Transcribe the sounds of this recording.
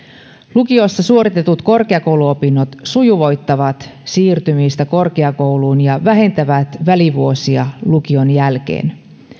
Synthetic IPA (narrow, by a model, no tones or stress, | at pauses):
lukio̞sːɑsuo̞ɾit̪e̞t̪ut̪ko̞rkeɑko̞wluopinːot̪sujuʋo̞jt̪ːɑʋɑt̪siːrt̪ymiːst̪æko̞rkeɑko̞wluːnjɑʋæɦe̞nt̪æʋæt̪ʋæliʋuo̞siɑluk̟io̞njælk̟e̞̰ːn